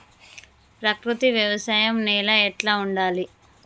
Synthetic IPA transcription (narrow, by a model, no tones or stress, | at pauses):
pɾɐkɾut̪iʋjɐʋɐsaːjɐmnɛːlɐɛʈlaːuɳɖaːli